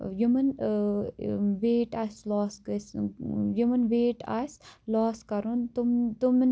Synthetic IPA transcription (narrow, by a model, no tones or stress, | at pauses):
jumɐn | ʋeːʈasloːskəsjumɐnʋeːʈa̰ːslɔːskɐɾunt̪umt̪umn